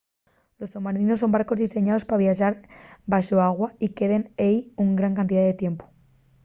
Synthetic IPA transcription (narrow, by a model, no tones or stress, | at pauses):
lo̞sθomaɾinosːo̞mbaɾko̞zðise̞ɲaðo̞spaβ̞jaʃaɾbaʃoaɣ̞waike̞ðe̞nejuŋɡɾaŋkant̪̬iðaðe̞t̪je̞mpo̥